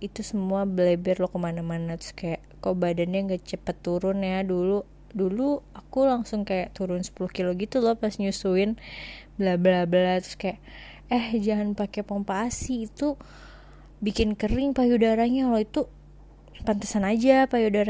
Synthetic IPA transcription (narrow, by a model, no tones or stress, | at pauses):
it̪usəmuabəlebɛrlɔkəmanamanat̪ʊ̥skajaʔkawbadanɲaŋɡat͡ʃəpət̪ːuɾʊnjadulu | duluakulaŋsʊŋkajaʔt̪uɾʊnsə̥pulʊhkiloɡit̪ulɔpasɲusuɪnbəlabəlabəlat̪ɾʊ̥skajaʔ | əhd͡ʒaŋanpakepampaːsiːt̪u | bikɪnkəɾɪŋpajudaɾaɲaloit̪u | pant̪əsanad͡ʒapajudaɾa